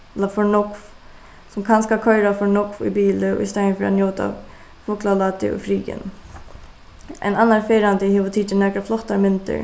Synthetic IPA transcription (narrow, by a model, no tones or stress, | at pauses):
ɛt̪lafɔɹnʊkf | sʊmkʰanskalkʰœʏɾafɔɹɳʊkfṵbiːləɔ̰ist̪aəfiɾa̰njoːt̪a̰ | fʊklalaːt̪ɪ̰ɔ̰fɾiːjɪ̰n | ɛ̰nanːanfeːɾant̪ɪɦeːʋət̪ʰiːtənɛkɾaflɔht̪aɾmɪnt̪ə̰ɹ